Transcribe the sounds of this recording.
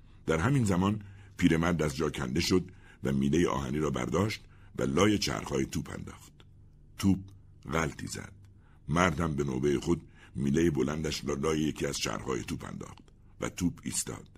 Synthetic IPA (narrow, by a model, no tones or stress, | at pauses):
d̪̥æɾhæmiːnzæmɒːn | pʰiːɾe̞mæɾd̪æzd͡ʒɒːcʰænd̪e̞ʃo̞d̪ | væmiːlejeʔɒ̰ːhæniːɾɒːbæ̰ɾd̪ɒːʃt̪ | væ̰lɒːjet͡ʃʰæ̰hɾhɒːjet̪ʰuːpʰæ̰nd̪ɒːχt̪ | t̪ʰuːb̚ | ɣælt̪ʰḭːzæ̰d̪̥̚ | mæɾd̪hæmbe̞no̰ːbejeχo̞d̪̚ | miːlejebo̞lænd̪æʃlɒːjejecʰiːæz̥t͡ʃæ̰hɾhɒːjet̪ʰuːpʰæ̰nd̪ɒ̰ːχt̪ | væ̰t̪ʰuːbʰḭːst̪ɒ̰ːd̪̥